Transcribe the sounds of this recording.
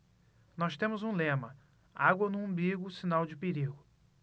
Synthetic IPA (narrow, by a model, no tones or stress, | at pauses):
nɔst̪ẽmʊzũlẽmɐ | aɡwɐnũɐ̃biɡʊsinawd͡ʒɪpeɾiɡʊ